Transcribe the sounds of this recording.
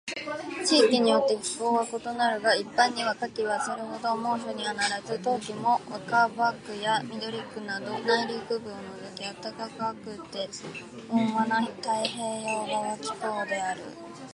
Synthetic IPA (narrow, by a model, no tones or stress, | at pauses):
t͡ɕiːkʲiɲ̟ijo̞t̪ːe̞çi̥po̞ːβako̞t̪o̞naɾɯ̟ɡaipːãɲ̟ːiβakakʲiβasɨɾɯ̟ɦo̞d̪o̞mo̞ːɕo̞ɲ̟ianaɾazɯt̪o̞ːkʲimo̞βakabakːɯ̟jamʲid̪o̞ɾʲikːɯ̟nad̪o̞naiɾʲokɯ̟bɯ̟̃nozɯkʲiat̪ːakakɯakɯ̟t̪ːe̞ | õɰβanait̪aiɦe̞ːjo̞ːɡaɡakʲi̥ko̞ːd̪e̞aɾɯ̟̰